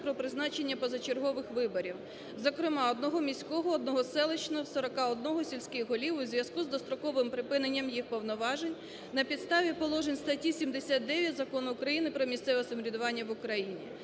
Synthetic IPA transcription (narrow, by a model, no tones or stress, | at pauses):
pɾɔpɾɪznɑt͡ʃenʲːɐpɔzɐt͡ʃerɦɔʋɪxʋɪbɔɾʲiw | zɔkɾɪmɑɔd̪nɔɦɔmʲisʲkɔɦɔːd̪̚nɔɦɔsɛlˠet͡ʃnɔwsɔɾɔkɑɔd̪nɔɦɔsʲilʲsʲkɪjɦɔlʲiwʊzʲʋʲjɐskuzd̪ɔst̪ɾɔkɔʋɪmpɾɪpɪnenʲːɐmjixpɔwnɔʋɑʒenʲ | nɐpʲid̪st̪ɑʋʲipɔlˠɔʒenʲst̪ɐtʲisʲimd̪esʲat̪̚d̪ɛʋʲjɐtʲzɐkɔnʊʊkɾɐjinɪpɾɔmʲisʲt̪sɛʋɛsɐmɔɾʲid̪ʊʋɑnʲːɐʋʊkɾɐjinʲḭ